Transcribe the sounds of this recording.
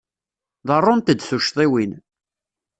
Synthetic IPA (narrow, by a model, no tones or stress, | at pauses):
ðərˤːʊnt̪əd̪θuʃt̪ˤiwin